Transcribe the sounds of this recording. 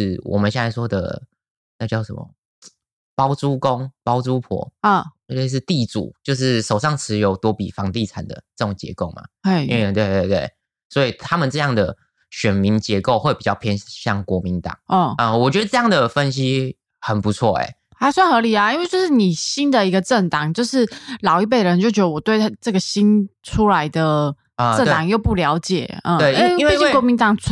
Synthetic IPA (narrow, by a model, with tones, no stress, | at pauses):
ʂɻ̩˥˩wʔɔ̰˨˩mə˨nɕjɛ˥˩t͡sa˥˩ɪʂwɔ˥d̪ə̰˨˩ | na˥˧t͡ɕjɑ˥˩ʊʂə̰˧˦mə̰˨˩ | pɑ˥ʊt͡su˥ko˦ŋpɑ˥ʊt͡su˥pʰɔ̰˨˥˦ | ʂ̬ɻ̩˥˧t̪i˥˩t͡sṵ˨˩˦t͡ɕjo˥˧ʊʂ̬ɻ̩˥˩ʂo˨˩ʊʂɑ˥˩ŋt͡sʰɻ̩˧˥jo˧˥ʊt̪wɔ˥pi˨˩fɑ˧˦˥ŋt̪i˥˩t͡sʰa˨˩nd̪ə̰˩t͡sɤ˥˩ʈ͡ʂo˨˩ŋt͡ɕjɛ̰˧˥ko˥˩ʊma̰˩e˥˩˥t̪we˥˧ɪt̪we˥˧t̪we˥˩ɪ | swɔ˧˥i˨˩t̪ʰa˥mə˨nt͡sɤ˥˧jɑ˥˩ŋd̪ə˩ | ɕɥɛ˨˩nmi˧˥ŋt͡ɕjɛ˧˥ko˥˧ʊxwe˥˩pi˨˩t͡ɕjɑ˥˩ʊpʰjɛ˥nɕjɑ̰˥˩ŋkwɔ˧˥mi˧˥nt̪ɑ̰˨˩˦ŋə˥˩ə˧˩wɔ˨˩t͡ɕɥɛ˧˥d̪ə˧ʈ͡ʂɤ˥˧jɑ˥˩ŋd̪ə˩fə˦nɕ̬i˥ | xə˨˩npu˧˦t͡sʰwɔ̰˥˩ḛ˨˩ | ha˥swa˥˩nxɤ˧˥li˨˩a˩i˥nwe˥˩t͡ɕjo˥˧ʊʂɻ̩˥˩ni˨˩ɕi˦˥nd̪ə˨i˧˥ɡə˧ʈ͡ʂə˥˩ŋt̪ɑ˨˩˦ŋt͡ɕjo˥˧ʊʂɻ̩˥˩lɑ˨˩ʊi˥˩p̬e˥˩ə˩ə˧˦nt͡ɕo˥˩t͡ɕɥɛ˧˦d̪ə˧wɔ˨˩t̪we˥˧ɪ˥ʈ͡ʂɤ˥˩ɡə˩ɕi˥nʈ͡ʂʰu˥la˧˦ɪd̪ə˨ | ə˨ʈ͡ʂə˥˩ŋt̪ɑ˨˩ŋjo˥˧ʊpu˥˩ljɑ˧˥ʊt͡ɕjɛ̰˨˩ə˥˩we˥˩ɪ˥nwei˥˧t͡ɕi˥˩kwɔ˧˥mi˧nt̪ɑ˨˩ŋ